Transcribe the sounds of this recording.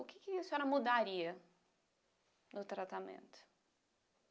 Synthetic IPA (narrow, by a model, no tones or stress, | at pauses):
ʊkɪkɪisʊɛɾɐmud̪aɾiɐ | nʊt̪ɾat̪amḛ̃nt̪ʊ̥